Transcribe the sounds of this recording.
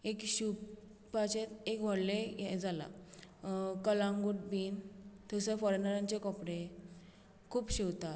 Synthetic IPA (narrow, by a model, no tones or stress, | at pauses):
ekɕup | pat͡ɕet̪ekʋɔɽlejɛd͡zala̰ | kəlãŋɡuʈbiːnt̪ʰəsefɔɾenəɾãɲt͡ɕekɔpɽe | kʰuːpɕiwt̪a